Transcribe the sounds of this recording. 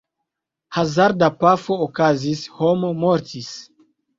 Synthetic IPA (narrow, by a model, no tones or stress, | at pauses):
hazaɾdapafoːkazishomomoɾtis